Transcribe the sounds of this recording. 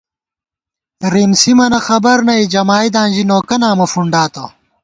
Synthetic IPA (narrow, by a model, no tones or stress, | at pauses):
ɾimsimɐnɐxɐbɐɾnɐid͡ʑɐmaːid̪ãːnʑinoːkɐnaːmɐfuɳɖaːt̪o̰